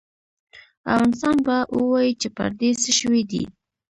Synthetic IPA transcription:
a̰fɣɑnɪst̪ɑnbaʔwəwɑjit͡ʃepa̰ɾd̪esəʃəwid̪ḭ

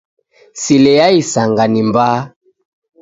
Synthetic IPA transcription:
silɛjaisaŋɡanimba

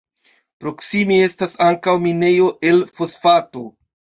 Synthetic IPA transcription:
pɾo̞ksimie̞stasaŋkawmine̞jo̞ʔe̞lfo̞sfato̞

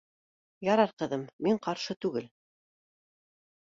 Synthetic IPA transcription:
jɑɾɑɾqɤ̆ðɤmːiɴqɑɾʃɤt̪ʉɡɘl

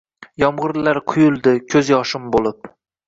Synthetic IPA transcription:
jɒmʁɨɾlaɾqʰʊjʊlˠd̪ɪkʲʰɵzjɒʃɪmbolɪp

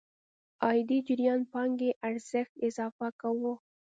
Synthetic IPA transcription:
ɑjd̪id͡ʒɪɾjɑnpɑŋɡeʔaɾz̥ɪxt̪ɪzɑfakawo

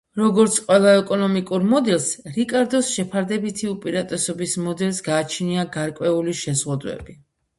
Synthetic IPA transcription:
ɾɔɡɔɾt̪sʰqʼwɛlˠaɛkʼɔnɔmikʼuɾmɔd̪ɛlˠsɾikʼaɾd̪ɔsʃɛpʰaɾd̪ɛbit̪ʰiupʼiɾat̪ʼɛsɔbismɔd̪ɛlˠsɡaːt͡ʃʰniaɡaɾkʼwɛuliʃɛzʁud̪wɛ̰bi

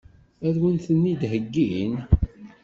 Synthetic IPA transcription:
æðwənθənːid̪ɦəɡːin

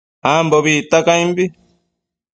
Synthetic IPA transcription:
amboβit̪akajmbi

